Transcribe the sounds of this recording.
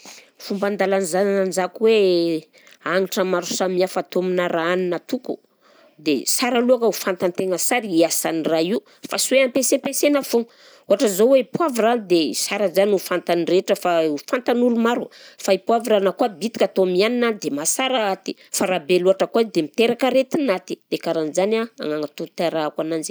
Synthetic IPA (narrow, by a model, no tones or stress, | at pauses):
fumband̪alanizannand͡ʒakwe | aŋiʈ͡ʂəmaɾu̥samiafat̪ominaɾaaninat̪ukṵ | d̪ḛsaɾaluakaufant̪ant̪eŋəsaɾiiasaniraiu | fasweampesepesenafo | uaʈ͡ʂəzoweipuavirand̪esaɾazanufant̪anireʈ͡ʂəfaufant̪anulumaɾufaipuaviɾanakuabit̪i̥kʲat̪omianinad̪emasaɾaat̪i̥faɾabeluaʈ͡ʂəkuazd̪emit̪eɾakəɾet̪inat̪i̥d̪̥ekaɾanzanaa̰ŋaŋat̪ut̪aɾaakwanand͡ʒi̥